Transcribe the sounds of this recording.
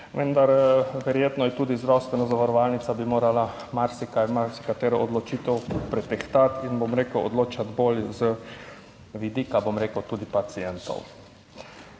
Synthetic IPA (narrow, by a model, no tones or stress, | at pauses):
ʋənd̪aɾʋɛɾjeːt̪nɔjɛt̪uːd̪izd̪ɾawst̪ʋɛnazaʋaɾɔʋalnit̪sabimoːɾala | maɾsikamaɾsi̥kat̪eːɾɔod̪lɔt͡ʃiːt̪ɛwpɾɛt̪ɛxt̪at̪inbomɾeːkəɔ̰d̪loːt͡ʃad̪boljzə | ʋid̪iːkabomɾeːkəwt̪uːd̪ipat̪sijɛnt̪ɔ̰w